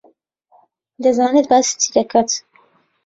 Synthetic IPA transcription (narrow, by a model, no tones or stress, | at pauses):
d̪ɐzaːnɨt̪̚baːsi̥t̪ʰid̪ɐkʰaːt̪